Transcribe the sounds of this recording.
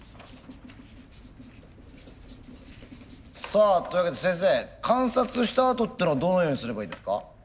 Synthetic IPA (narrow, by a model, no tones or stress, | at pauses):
saːt̪oiβaket̪e̞sẽ̞ɰ̃s̬e̞ːkʰãɰ̃sat͡sɨɕi̥t̪aːt̪o̞t̪ːenoad̪o̞nojo̞ːɲ̟isɨɾe̞baiːd̪e̞sɨ̥ka̰